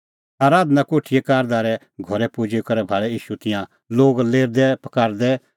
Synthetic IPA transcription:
aːɾaːd̪nakoːʈʰijɛkaːɾd̪aːɾɛ | ɡʱɔɾɛpoːd͡ʒekɐɾɛbʱaːɭɛjiːʃut̪ɪjã | loːɡleːɾd̪ɛpɐkaːɾd̪ɛ

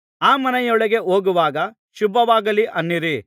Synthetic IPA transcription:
aːmɐnɐjɔɭɐɡe̞oːɡuʋaːɡɐ | ʃubʱɐʋaːɡɐliʔɐnːiɾi

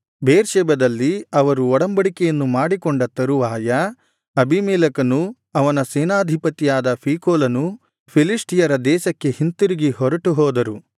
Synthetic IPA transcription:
beːɾʃɛːbɐd̪ɐlːiɐʋɐɾuɔɽɐmbɐɽikɛjɐnːumaːɽikɔɳɖɐt̪ɐɾuʋaːjɐ | ɐbʱimɛːlɐkɐnu | ɐʋɐnɐseːnaːd̪ʱipɐt̪ijaːd̪ɐpʰiːkoːlɐnu | pʰiliʂʈijɐɾɐd̪ɛːʃɐkːe̞hint̪iɾiɡiɦɔɾɐʈuɦɔːd̪ɐɾu

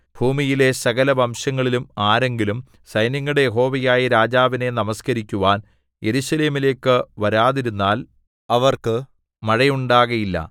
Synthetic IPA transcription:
b̥ʱuːmijile̞sɐɣɐlɐbʱɐmʂɐŋːɐɭilumaːɾe̞ŋɡilum | sɐjnjɐŋːɐɽejeɦo̞ːʋɐjaːjiɾaːd͡ʑaːʋine̞nɐmɐskɐɾikʲːuʋaːn | je̞ɾusɐle̞ːmile̞ːkːɨʋɐɾaːðiɾunːaːl | ɐʋɐrkɨ | mɐɻɐjuɳɖaːɣɐjilːɐ̰

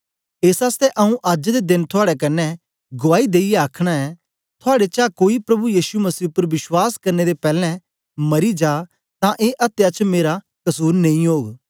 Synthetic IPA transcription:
eːsaːst̪ɛʔɐũʔɐd͡ʒd̪ed̪ɪnt̪ʰʊaːɽɛk̬ɐnːɛ | ɡʊʋaːid̪eːijɛaːkʰɽ̃aɛ | t̪ʰʊaːɽet͡ʃaːkoːipɾɐbujiːsumɐsiːʊpːəɾʋɪswaːskɐɾned̪epɛːlɛ̃ | mɐɾid͡ʒaː | t̪ãʔeːʔɐt̪jat͡ʃmeːɾa | kɐsuːɾnɐ̃ĩɦoːɡ

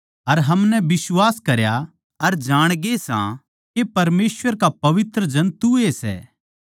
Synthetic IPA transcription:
ɐɾɦɐmnɛbɪswaːskɐɾja | ɐɾd͡ʒaːɽ̃ɡesã̰ | kepɐɾmeːsʋəɾkapɐʋɪt̪ɾəd͡ʒɐ̃nt̪uesɛ̰ː

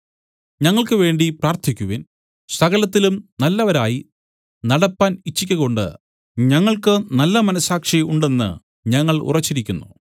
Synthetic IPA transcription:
ɲɐŋːɐɭkɨʋe̞ːɳɖipraːrt̪ʰikʲːuʋiːn | sɐɣɐlɐt̪ːilumnɐlːɐʋɐɾaːji | nɐɽɐpːaːnit͡ɕːikʲːɐɣo̞ɳɖɨ̰ | ɲɐŋːɐɭkɨnɐlːɐmɐnɐsaːkʂɐjuɳɖe̞nːɨ̰ | ɲɐŋːɐɭṵrɐt͡ɕːiɾikʲːunːṵ

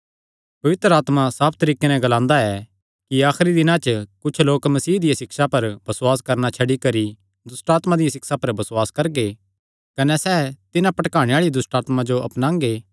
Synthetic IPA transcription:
pɐʋɪt̪ɾəaːt̪masaːp̚ʰt̪ɐɾiːkenɛ̃ɡɐlãːnd̪aɛ | kiaːxɾid̪ɪnãt͡ʃəkʊt͡ʃʰloːkmɐsiːd̪ɪjasɪksapɐɾb̥ɐsʊwaːs̬kɐɾnat͡ʃʰɐɽikɐɾi | d̪ʊsʈaːt̪mad̪ɪjasɪksapɐɾbɐswaːskɐɾɡe | kɐnɛsɛːt̪ɪnãpɐʈkaːɽ̃ẽaːɭid̪ʊsʈaːt̪mad͡ʒoɐpnãːŋɡeː

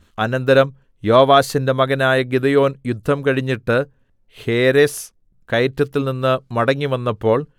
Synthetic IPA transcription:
ɐnɐnd̪ɐɾɐm | jo̞ːʋaːɕɐnde̞mɐɡɐnaːjɐɡid̪ɐjo̞ːnjud̪ʱːɐmkɐɻiɲːiʈːɨ | heːɾes | kɐjtːɐt̪ːilninːɨmɐɽɐŋːiʋɐnːɐpːo̞ːɭ

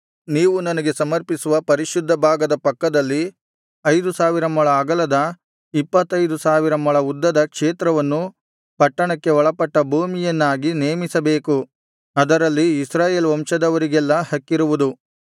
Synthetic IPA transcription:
niːʋunɐnɐɡe̞sɐmɐɾpisuʋɐpɐɾiʃud̪ʱːɐbʱaːɡɐd̪ɐpɐkːɐd̪ɐlːi | ɐjd̪usaːʋiɾɐmɐɭɐːɡɐlɐd̪ɐ | ipːɐt̪ːɐjd̪usaːʋiɾɐmːɐɭɐud̪ːɐd̪ɐkʂeːt̪ɾɐʋɐnːu | pɐʈːɐɳɐkːe̞ɔɭɐpɐʈːɐbʱuːmijɐnːaːɡineːmisɐbe̞ːku | ɐd̪ɐɾɐlːiːsɾaːje̞ːlʋɐmʂɐd̪ɐʋɐɾiɡɛlːɐhɐkːiɾuʋud̪u

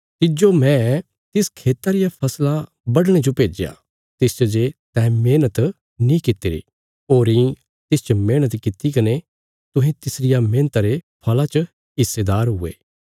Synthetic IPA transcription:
t̪ɪd͡ʒomɛ̃ | t̪ɪskʰeːt̪aɾɪjapʰɐsla | bɐɽɽ̃ed͡ʒopeːd͡ʒja̰ | t̪ɪst͡ʃɐd͡ʒet̪ɛ̃ːmeːnət̪ | nĩkɪt̪ːeɾḭ | oːɾĩ | t̪ɪst͡ʃəmeːɽ̃ət̪kɪt̪ikɐne | t̪ʊɦẽt̪ɪsɾɪjamẽːnət̪aɾepʰɐlat͡ʃə | ɦɪsːed̪aːɾɦʊḛː

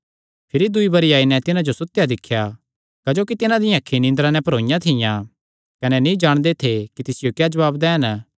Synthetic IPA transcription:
pʰɪɾid̪ʊibɐɾiaːinɛ̃t̪ɪnãd͡ʒosʊt̪ːjad̪ɪkʰːja | kɐd͡ʒoːkit̪ɪnãd̪ɪjãkʰːinɪ̃nd̪ɾãnɛ̃pɐɾõːjãt̪ʰɪjã | kɐnɛnĩd͡ʒaːɽ̃d̪et̪ʰekit̪ɪsɪjokjaːd͡ʒɐʋaːbd̪ɛːɦən

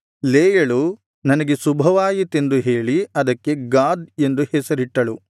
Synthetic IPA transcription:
leːjɐɭu | nɐnɐɡesubʱɐʋaːjit̪end̪uɦe̞ːɭiɐd̪ɐkːe̞ɡaːd̪e̞nd̪uhɛsɐɾiʈːɐɭu

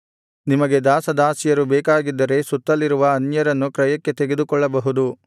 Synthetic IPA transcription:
nimɐɡe̞d̪aːsɐd̪aːsijɐɾubɛːkaːɡid̪ːɐɾe̞sut̪ːɐlːiɾuʋɐːnjɐɾɐnːukɾɐjɐkːe̞t̪eɡe̞d̪ukɔɭːɐbɐɦud̪u

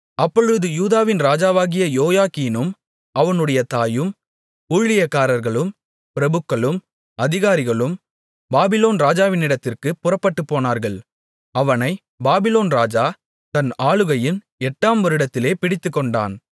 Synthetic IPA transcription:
ɐpːɔɻɯðɯjuːðaːʋɪnɾaːd͡ʒaːʋaːɣɪjɐjoːjaːkiːnɯm | ʔɐʋɐnɯɽɐjɐt̪aːjɯm | uːɻɪjɐkːaːɾɐɾɣɐɭɯm | pɪɾɐbɯkːɐɭɯm | ɐðɪɣaːɾɪɣɐɭɯm | baːbɪloːnɾaːd͡ʒaːʋɪnɪɽɐt̪ːɪrkɯpʊrɐpːɐʈːɯpːoːnaːɾɣɐɭ | ɐʋɐnɐɪ | baːbɪloːnɾaːd͡ʒaː | t̪ɐnaːɭɯɣɐjɪn | ɛʈːaːmʋɐɾɯɽɐt̪ːɪleːpɪɽɪt̪ːɯkːɔɳɖa̰ːn

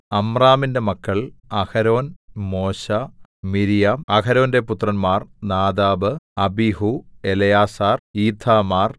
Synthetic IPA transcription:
ɐmraːminde̞mɐkːɐɭɐkɐɾo̞ːnmo̞ːɕɐmiɾijɐɐkɐɾo̞ːnde̞put̪rɐnmaːrnaːd̪aːʋɨɐbihuelɐjaːsaːriːt̪ʰːaːmaːr

